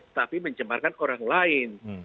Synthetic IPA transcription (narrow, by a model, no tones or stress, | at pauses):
t̪apiməɲt͡ʃəmarkanoɾaŋlaɪn